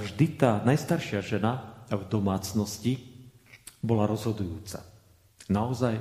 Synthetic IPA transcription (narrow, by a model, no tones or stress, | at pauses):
vʒd̪it̪aːnajst̪aɾʃɪaʒɛnavd̪ɔmaːt͡snɔsci | bɔlaɾɔzɦɔd̪ujuːt͡sa̰ | naɔzaj